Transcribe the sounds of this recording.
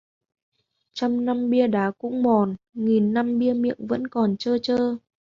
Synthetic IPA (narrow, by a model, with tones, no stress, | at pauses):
t͡ɕa˧wŋ͡mna˧mɓi˧əɗaː˨˦kʊ̰˧˥ŋ͡mmɔ˨˩n | ŋi˨˩nːa˧mɓi˧əmḭ˧˨əŋvə̰˧˥nkɔ˨˩nt͡ɕəː˧t͡ɕəː˧